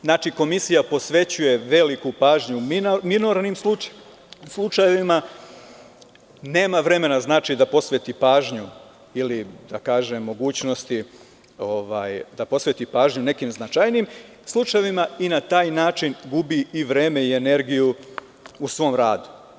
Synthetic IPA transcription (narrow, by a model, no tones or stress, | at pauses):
znaːt͡ʃiko̞misijapo̞sʋe̞t͡ɕuje̞ʋe̞likupaːʒɲumiminoɾnimslˠu | slˠut͡ʃajeʋima | ne̞ːmaʋɾe̞me̞naznaːt͡ʃid̪apo̞sʋet̪ipaːʒɲu | ilid̪akaːʒe̞mːo̞ɡuːt͡ɕno̞st̪i | o̞ʋaːjd̪apo̞sʋet̪ipaːʒɲune̞kimznat͡ʃajnim | slˠut͡ʃajeʋimainat̪aːjnaːt͡ʃinɡubiiʋɾeːme̞ie̞ne̞ɾɡiju | usʋo̞ːmɾaːd̪u̥